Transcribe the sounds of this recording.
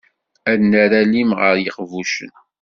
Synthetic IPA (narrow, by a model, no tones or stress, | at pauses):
ædnəɾalimʁəɾjəqvuʃə̰n